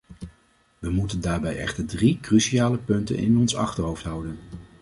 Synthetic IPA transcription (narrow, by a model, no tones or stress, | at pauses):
ʋəmutəndaːɹbɛjɛ̰χtəɹdrikrysiaːləpɵntə̰nʔɪ̰nɔnsɑ̰χtəɹɦowftɦʌwdən